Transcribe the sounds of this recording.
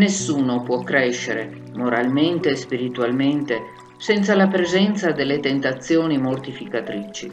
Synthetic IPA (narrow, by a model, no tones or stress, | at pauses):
nesːuːnopwɔkːɾɛʃːeɾe | moɾalment̪eːspiɾit̪ualment̪e | sɛnt̪salapɾezɛnt̪sad̪elːet̪ent̪at̪sːjoːnimort̪ifikat̪ɾit͡ʃi